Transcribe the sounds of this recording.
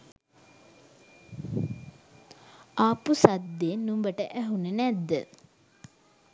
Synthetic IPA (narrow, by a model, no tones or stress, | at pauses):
aːpusad̪ːennːumbəʈəʔæɦunənæd̪ːə